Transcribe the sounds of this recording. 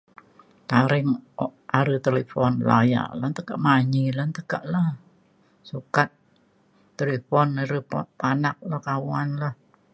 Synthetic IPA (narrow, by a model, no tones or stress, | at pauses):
t̪aɾɪŋɔʔaɾət̪elefɔnla̰ja̰ʔlant̪əkaʔmaɲilant̪əkaʔlah | sukat̪̚ː | elefɔnaɾəpɔ̰panak̚lahkawanlah